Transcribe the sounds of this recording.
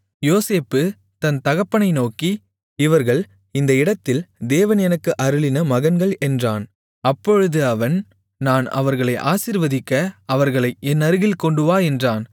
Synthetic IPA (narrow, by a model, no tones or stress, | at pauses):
joːseːpːɯ | t̪ɐnt̪ɐɣɐpːɐɳɐɪnoːki | ɪʋɐɾɣɐɭ | ɪnd̪ɐɪɽɐt̪ːɪld̪eːʋɐnɛnɐkːɯʔɐɾɯɭɪnɐmɐɣɐnɡɐɭɛndraːn | ɐpːɔɻɯðɯɐʋɐn | naːnɐ̰ʋɐɾɣɐɭɐɪʔa̰ːsɪɾʋɐðɪkːɐːʋɐɾɣɐɭɐɪʔɛnːɐɾɯɣɪlkɔɳɖɯʋaːɛndraːn